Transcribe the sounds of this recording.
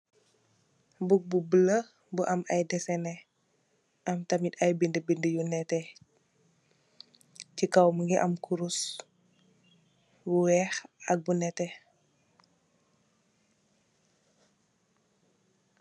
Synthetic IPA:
buk̚bubələ | buʔɐmʔɐjdɛsɛnɛ | ʔɐmtɐmitɐjbindəbindəjunɛtɛ | cikɐwməŋɡɛʔɐmkuɾus | buwɛːxɐk̚bunɛtɛ

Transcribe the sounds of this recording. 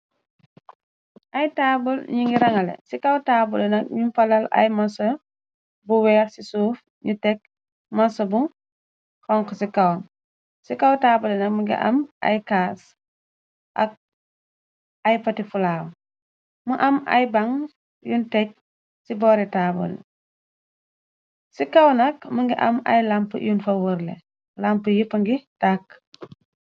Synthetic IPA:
ʔɐjtaːbulɲuŋɡiɾɐŋɐlɛ̰sikɐwtaːbulɛnɐk̚ɲunfɐlɐlɐ̰jmɐsɐ | buwɛːɾsisuːf | ɲutɛk̚ | mɐsɐbuŋ | kɔŋkɔsikɐwm | sikawtaːbulɛnɐk̚muɡḭʔɐ̰mʔɐ̰jkaːs | ʔɐ̰k̚ | ɐjpɐtifulaːw | muʔɐmɐ̰jbɐŋ | juntɛk̚ | sibɔːɾɛtabṵl̰ | sikawnɐkmuŋɡiʔɐ̰mɐ̰jlampəjunfɐwəɾlɛ̰ | lampəjipɐŋɡitak

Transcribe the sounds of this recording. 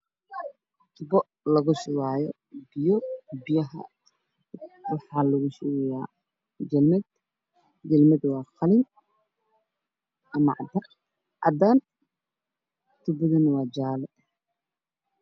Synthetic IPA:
t̪ʰʊbɔ | lɐɣʊʃʊwaːjɔ | bɪjɔbɪjɐɦɐ̰ | wɑħɑːlɐɣʊʃʊwɛjaː | d͡ʒɛlmɛd̪ | d͡ʒɛlmɐd̪wɑːqɑlɪn | ʔɐmɐ̰ʕd̪ɐ | ʔɑ̰d̪aːn | t̪ʰʊbɔðɐnɐwɑːd͡ʒaːlɛ

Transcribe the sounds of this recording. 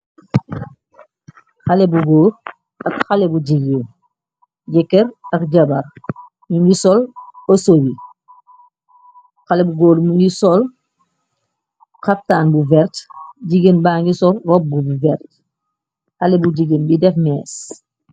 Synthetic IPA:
xalɛbuɡoːɾ | ɐkxalɛbuɟiɡen | ɟɛkːɛɾɐkɟɐbɐɾ | muɲɡisɔlosobi | xalɛbuɡoːɾmuɲɡisɔl | xap̚taːnbuvɛɾtɟiɡenbaŋɡisɔlrɔp̚bubuvɛɾt | xalɛbuɟiɡenbidɛfmɛːs

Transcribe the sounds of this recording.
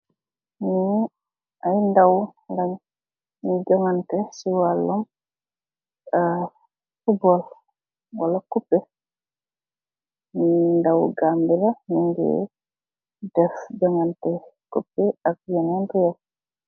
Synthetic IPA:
ni | ʔajndawɡaɲ | nid͡ʒɔŋantɛsiwalːɔm | a | fubɔl | walakupːɛ | nindawɡambɛlaniŋɡɛ̰ | dɛfd͡ʒɔŋantɛkupːɛak̚jɛnandujɛl

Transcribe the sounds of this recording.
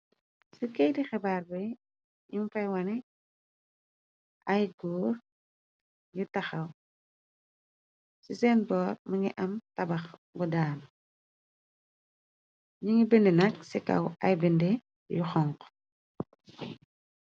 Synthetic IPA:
sukɛjdixɛbaːrbɛ | jimfɐjwɐnɛ | ʔɐjɡuːr | jutɐxɐw | sisɛːnbɔːrmɐŋiʔɐmtɐbɐxbudaːn | ɲiŋibendɛnɐksikɐ̰wɐjbende | juxɔŋk

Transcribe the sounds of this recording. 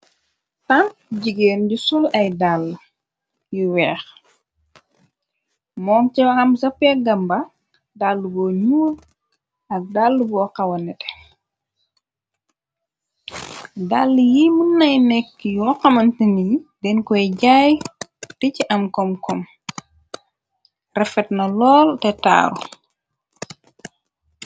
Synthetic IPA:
tɐnɟiɡeːnɟusɔlɐjdalː | jiwɛːx | mɔːŋciwɐxɐmsɐpːɛɡɐmbɐ | dalːubɔːɲuːl | ɐk̚dalːubɔːqɐwɐnɛtɛ̥ | dalːijimunːɐjnɛkːjɔqɐmɐntinidɛnkɔjɟaːjticiʔɐmkɔmkɔm | rɛfɛtnɐlɔːltɛta̰ːɾṵ

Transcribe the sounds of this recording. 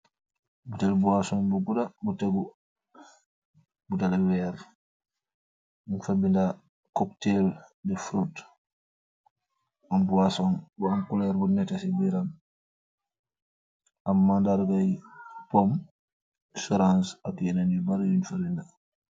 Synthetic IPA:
butelbuasɔnbuɡudabuteɡu | butalewɛɾ | nfabinda | kɔkteldɛfɾut | ambuwasɔnbuaŋkulɛɾbunɛtasibiɾan | amːandaɾɡajpom | sɔɾãnsakɛnanibaɾjinfabinda

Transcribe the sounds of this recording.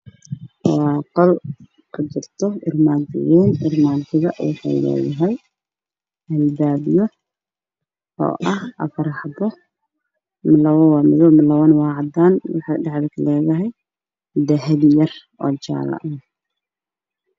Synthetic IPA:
qɐl | kʰʊt͡ʃɪrt̪ʰɔɪrmaːt̪ɪ̰jɛːnʔɪ̰rmaːt̪ʰɪɣɐwɑ̰ħɑ̰jlɛ̰ːjɐɦɛj | hɐlbaːbjɔ | ɔ̰ːʔɐhɐ̰fɐɾɑħd̪ɔ | mɪlɐwɐwɑːmɪðɔwmɪlɐwɐnwɑːʕɑd̪aːnwɑħɑjɖɑʕd̪ɛkʰlɛːðɐɦɛj | d̪ɐɦɛdjɐr | ɔːt͡ʃa̰ːlɐ̰ʔɐ

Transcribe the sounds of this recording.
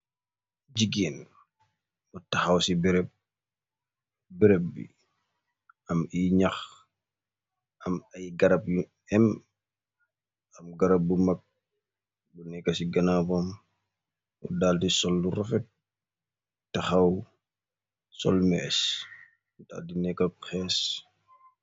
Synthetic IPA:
d͡ʒiɡeːn | mutɐxɐwsibiɾɛp̚ | biɾɛp̚bḭ | ɐmiɲɐx | ɐmɐjɡɐɾɐp | ɛm | ɐmɡɐɾɐp̚bumɐk̚ | bunɛkːɐsiɡɐnabɐm | ṵdaːltisɔlːurɐfɛt̚ | tɐxɐw | sɔ̰lmɛ̰ːs | da̰dinɛkːɐkxɛːs

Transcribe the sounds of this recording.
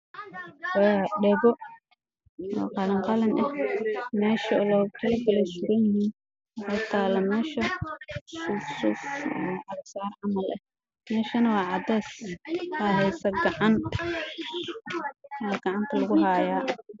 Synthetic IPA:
wɛɖɛβɔ | wɑ̰ːqɑlɐŋqɑlɐnʔɐhmɛːʃɐːlɔːkʰɐlɐɡɐlɐsʊɾɐjɪhiːn | ɔt̪ʰaːlɐmɛːʃɐ | sʊsusʔɐksaːrʕɑmɐlʔɐ̰h | mɛːʃɐnɐwɑːʕɑd̪ɛːsaːɦɛjsɐɡɐʕɑn | ɡɑʕɑnt̪ʰɐlɐɣʊɦaːjaː

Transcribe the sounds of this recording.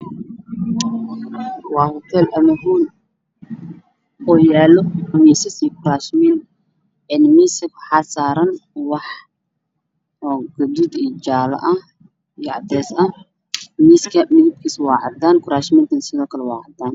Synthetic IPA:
wɑːhɔt̪ʰɛːlʔɐmɐɦuːn | ɔːjaːlɔmisɐsikʰʊɾaːʃmin | ɛnmiːsɐkħasaːɾɐnwɑħ | ɔɡ̥ʊd̪ud̪iːd͡ʒaːlɐ̰ʔɐ | jɑʕd̪ɛːsɐ | miskʰɐmɪðɪb̚kʰiswɑːʕɑd̪aːnkʰʊɾaːʃmiːnt̪ɐnsɪðɔːkʰɐlɛwɑːʕɑd̪aːn

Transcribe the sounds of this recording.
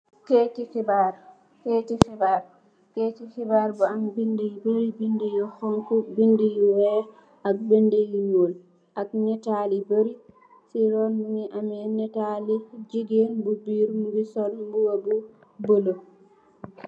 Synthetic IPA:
ketikibaɾ | ketifɛbaɾ | ketikɛbaɾbɔambindijbeɾibindijɔxɔŋkubindijwɛ | ʔakbendejinol | ʔaknɛtalibeɾi | siɾɔnmumiʔamɛnɛtalid͡ʒiɡembubiɾmubisɔlmbuwabu | bolo

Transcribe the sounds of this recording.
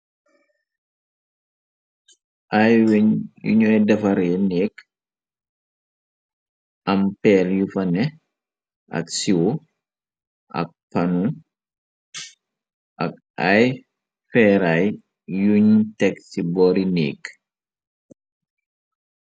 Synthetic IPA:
ʔajwɲjṵɲɔjdɐfɐɾeneːk | ɐmpɛːljufɐnɛ | ʔɐ̰ksiwo | ʔɐ̰k̚pɐnu | ʔɐ̰k̚ | aj | fɛɾaj | juɲtɛksibɔːɾinḛːk

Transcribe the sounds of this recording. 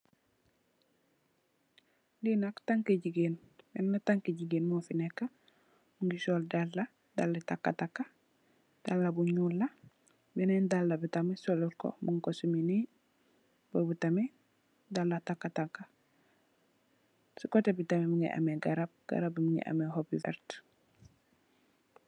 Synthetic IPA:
ndinaktaŋkeɟiɡeːn | bɛnːataŋkeɟiɡeːnmofinekːa | muŋɡisoldalːa | dalːetakːatakːa | d̥alːabuɲulːa | bɛnendalːabitamesoluɾko̰muŋkosumini | bobutame | dalːatakːataŋkːa | sukotebitamemuŋḭʔa̰meɡaɾab̚ɡ̥a̰ɾabmuŋḭʔa̰mehopḭfɛ̰ɾt

